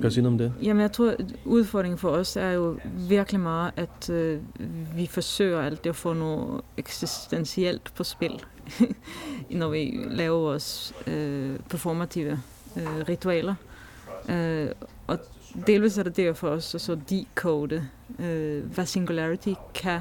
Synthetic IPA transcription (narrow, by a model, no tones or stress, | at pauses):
kʰsiːnːɔmd̪ejæːmənjæɪt̪ʰʁuːʉːðˠfɔd̪ʁɪŋ̩fɔɔsæjʊʋɪkəlɪmɑːəʔæt̪ | ʋɪfɔsøːəɑlt̪̚d̪ɛɔfoːnoːɛksɪst̪ɛnsɪɛlt̪pʰɔspɪl | nɔʋɪlæːəʋɔs | pʰæfɔmat̪ʰiːʋə | ʁɪt̪ʊɛːlə | ʔɔ | d̪eːlʋiːs̬æɐd̪ɛd̪efɔɾɔsɔsɔd̪ikʰoʊd̪ə | ʋæsɪŋɡʉlæɹɪt̪ʰɪkʰæ